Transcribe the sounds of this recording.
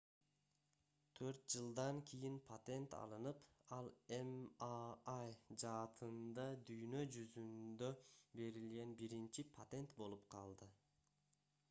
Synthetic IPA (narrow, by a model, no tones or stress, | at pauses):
t̪ʰøɾt̪̚d͡ʒɯlˠd̪ɑŋkʰʲijinpʰat̪e̞nt̪ɑ̰lˠɯnɯpɑlˠem | ajd͡ʒɑːt̪ʰɯnd̪ɑd̪yjnø̞d͡ʒyzynd̪ø̞be̞ɾilɡe̞nbiɾint͡ʃipʰat̪e̞nt̪bo̞lˠupqʰɑlˠd̪ɯ